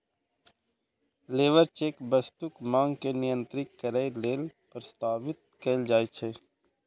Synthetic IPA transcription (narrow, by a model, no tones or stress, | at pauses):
leːʋəɾt͡ʃeːkbəst̪ʊkmãːŋɡkenɪjə̃nt̪ɾɪkːəɾəeleːlpɾəst̪aːʋɪt̪̚keːld͡ʒaːit͡ʃʰeː